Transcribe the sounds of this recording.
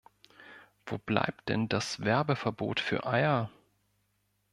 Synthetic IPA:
v̥o̰ːb̥la̰ɪp̚t̚d̥ɛ̰ndasv̥ɛɐbəfɛɐbo̰ːtfyːɐʔaɪɐ

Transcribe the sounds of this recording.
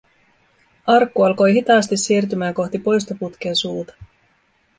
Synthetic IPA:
ɑrkːuɑlko̞jɦit̪ɑːst̪isːiːrt̪̬ymæːŋko̞xt̪ipo̞jst̪oput̪k̟ensuːt̪ɑ̥

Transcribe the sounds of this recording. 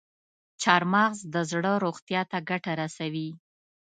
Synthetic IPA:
t͡ʃɑɾmɑɣzd̪əzɽəɾoɣt̪jɑt̪aɡaʈaɾasawi

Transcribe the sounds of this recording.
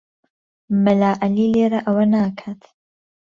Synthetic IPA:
məlaːʔaliːleːɾaʔɐwɐnaːkʰaːt̪

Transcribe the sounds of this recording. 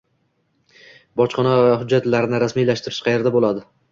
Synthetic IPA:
bɒt͡ʃqɒnɒvhʊd͡ʒːat̪laɾɪnɪɾasmijlaʃt̪ɪɾɪʃqʰɑje̞ɾd̪abolˠad̪ɪ

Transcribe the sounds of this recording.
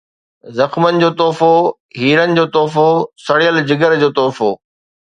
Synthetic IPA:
zɐxmənɪ̆d͡ʑoːt̪ɔːfo | ɦiːɾənɪ̆d͡ʑoːt̪ɔːfosɐɽijəld͡ʑɪɡəɾd͡ʑoːt̪ɔːfoː

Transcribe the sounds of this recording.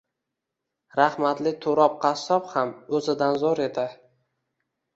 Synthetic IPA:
ɾahmat̪lɪt̪ʰoɾɒp̚qʰɑsɒphamɵzɪd̪anzɒɾed̪ɪ

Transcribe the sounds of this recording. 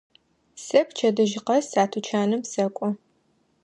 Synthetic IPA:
sɐpʰt͡ʃʰɐdɨʒɪqɐsaːtʰut͡ʃʰaːnɨmsɐkʷʼɔ

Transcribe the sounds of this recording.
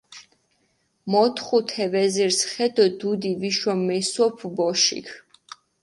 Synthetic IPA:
mɔt̪ʰχut̪ʰɛvɛziɾsχɛd̪ɔd̪ud̪iviʃɔmːɛsɔpʰbɔʃḭkʰ

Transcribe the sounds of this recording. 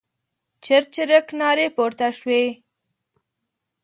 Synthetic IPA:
t͡ʃɪɾt͡ʃɪɾəknɑːɾepoɾt̪aʃwe

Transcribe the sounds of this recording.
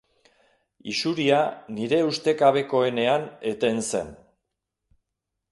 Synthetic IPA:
isuɾianiɾe̞ust̪e̞kaβ̞e̞ko̞e̞ne̞ane̞t̪e̞nse̞̰n

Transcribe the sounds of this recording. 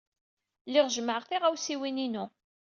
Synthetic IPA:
lɪʁʒəməʕʁθiʁæwsiwininu

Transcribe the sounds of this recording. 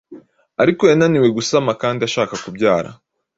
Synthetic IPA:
aɾikojananiwe̞ɡusamakaːndiaʃaːkakubɟaːɾa̰

